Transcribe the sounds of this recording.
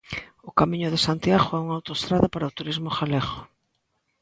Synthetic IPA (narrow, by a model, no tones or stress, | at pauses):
ʊkamĩɲʊðesant̪jaɣoɛuŋawt̪oest̪ɾaðapaɾaʊt̪uɾizmʊxalɛɣo